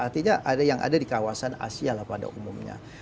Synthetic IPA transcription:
art̪iɲaʔadajaŋʔa̰dadikawasana̰sialahpada̰ʔumumɲa̰

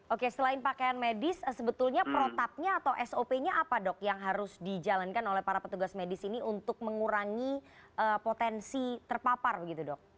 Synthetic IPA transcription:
ʔokesəlaɪnpakajanmedɪsəsəbət̪ʊlɲapɾot̪ap̚ɲaːt̪awʔɛsopeɲaʔapadɔk̚jaŋɦaɾʊsdid͡ʒalankanolɛhpaɾapət̪uɡasmedɪsiniʔunt̪ʊk̚məŋuɾaŋiʔəpot̪ɛnsit̪ərpaparbəɡit̪udɔk̚

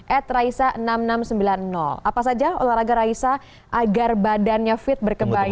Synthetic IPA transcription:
ʔɛt̪̚raisaʔənamnamsəmbilanːɔ̰lapas̬ad͡ʒao̰laɾaɡaɾaisa | ʔaɡarbadanɲafɪt̪̚bərkəmba

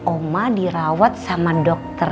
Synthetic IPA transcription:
omadiɾawat̪̚samadɔk̚t̪ə

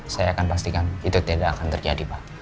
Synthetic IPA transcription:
sajaːkanpast̪ikanit̪ut̪edaːkant̪ərd͡ʒa̰dipa

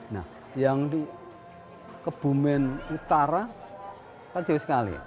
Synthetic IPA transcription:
na̰h | jaŋni | kəb̥ṳmɛnut̪aɾa | kḁd͡ʒ̥awsə̥kalḭ

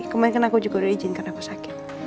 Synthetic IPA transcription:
kəmadɪnkanakud͡ʒuɡaɾuid͡ʒɪnkarnakusakɪ̥t̪

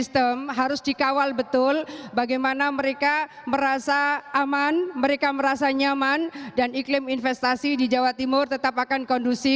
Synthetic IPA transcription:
ist̪əmɦaɾʊsdikawalbət̪ʊlbaɡajmanaməɾeka | məɾasaʔːmanməɾekaməɾasaɲamandaniklɪminfɛst̪asidid͡ʒawat̪imʊrt̪ət̪apakankɔndusi

